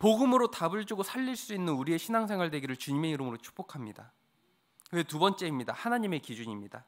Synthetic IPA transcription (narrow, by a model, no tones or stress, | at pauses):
poɡɯmɯɾotabɯɭd͡ʑuɡosʰaʎːiɭs͈uinːɯnuɾie̞ɕʰinaŋsʰe̞ŋwaɭdwe̞ɡiɾɯɭt͡ɕuɲime̞iɾɯmɯɾot͡ɕʰu̥k̚p͈okʰamɲida | we̞tubʌnt͡ɕ͈e̞imɲidahanaɲime̞kid͡ʑuɲimɲida